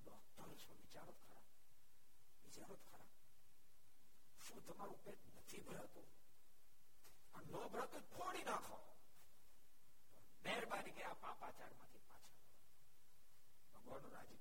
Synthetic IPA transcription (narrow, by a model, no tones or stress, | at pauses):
lɔkt̪əlt͡ʃʰoʋɪt͡ʃaɾot̪kʰəɾab | ʋɪt͡ʃaɾot̪kʰəɾab | ʃũt̪əmaɾũpenət̪ʰibʱəɾɦət̪ũ | ənnɔbʱəɾak̪okʰoɽinakʰo | p̪ə | meɾbaɾiɡəjapãpat͡ʃaɾmãt̪ʰipa̰t͡ʃʰaʋəlo | bəɡʋanoɾa̰d͡ʒi